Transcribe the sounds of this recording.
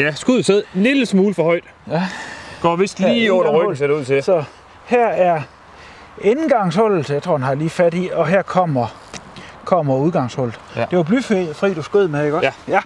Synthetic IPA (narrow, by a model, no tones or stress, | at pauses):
jæsɡ̥uð̰ˠseð̰ˠliləsmuːləfɒhɒ̽ɪd̥ | jɡ̥ɒ̰ːʋisd̥liːɒʁœɡseuð̰ˠt͡sʰesɒ̽ | hæɐ̰æɐ | enɡ̥ɑ̈ŋshɔ̽l̰l̩səjɑɪt͡sʰʁo̝ɐdenhɑ̈liːfæd̥iɒ̽ɦæɐkʰɒ̽m̰ɐ | kʰɒ̽mɐuð̞ˠɡ̥ɑ̈ŋshɔ̽l̰d̥e̝ʋɑb̥lyffʁḭːd̥usɡ̥øðˠmeɡ̥ɒ̽